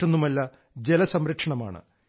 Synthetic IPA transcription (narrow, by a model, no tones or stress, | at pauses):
onːumɐlːɐ | d͡ʑelɐsɐmɾɐkʂɐɳɐma̰ːɳɨ̰